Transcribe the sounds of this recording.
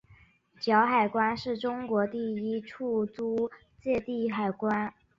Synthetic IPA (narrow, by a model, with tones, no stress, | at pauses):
t͡ɕjɑ˧˥ʊxa˨˩ɪkwa˥nʂɻ̩˥˩ʈ͡ʂʊ˥ŋkwɔ˧˥t̪i˥˩i˥ʈ͡ʂʰu˥˩t͡su˥ | t͡ɕjɛ˥˧t̪i˥˩xa˨˩ɪkwa˥n